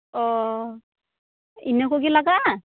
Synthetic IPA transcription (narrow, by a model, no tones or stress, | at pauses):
ɔ | inɔkoɡilaɡa